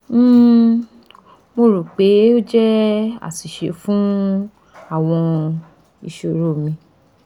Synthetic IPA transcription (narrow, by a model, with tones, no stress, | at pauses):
m̩ː˦˨ | mo˧ɾu˨k͡pe˨˦o˦d͡ʒɛ˦a̰˦˨si˨ʃe˨˦fũ˦ | a˦˨w̃ɔ̃˧ | ḭ˨ʃo˨ɾo˦˨mĩ˧